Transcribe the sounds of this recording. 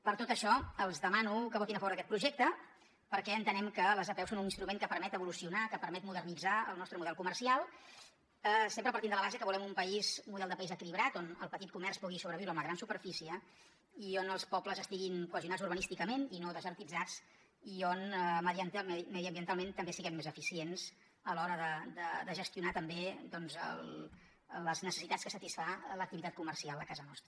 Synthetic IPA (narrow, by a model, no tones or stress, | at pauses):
pəɾt̪ot̪əʃɔəlˠzðəmanukəβɔt̪inəfəβoɾðəkɛt̪pɾuʒɛk̚t̪ə | pəɾkɛənt̪ənɛmkələzəpɛwsonuninst̪ɾumeŋkəpəɾmɛt̪əβulusiunakəpəɾmɛt̪muðərnid͡zaə̰lˠnɔst̪ɾəmuðɛlˠkumərsialˠ | əsempɾəpəɾt̪imnd̪ələβazekəβulɛmumpəizmuðɛlˠd̪əpəizəkiliβɾat̪onəlˠpət̪it̪̚kumɛrspuɣisuβɾəβiwɾəmləɣɾansupəɾfisiə | ionəlˠspɔpləzəst̪iɣinkuəz̬iunazuɾβ̞ənist̪ikəmeninoðəzəɾt̪id͡zat͡s | ionməðiənt̪amɛðiəmbiənt̪alˠment̪əmbesiɣɛmːezəfisienz̥ | əlɔɾəðəd̪əd̪əʒəst̪junat̪əmbed̪ɔnzə̰l | ləznəsə̥sit̪at͡sskəsət̪isfalək̚t̪iβit̪at̪̚kumərsialˠd̪əkazənɔst̪ɾə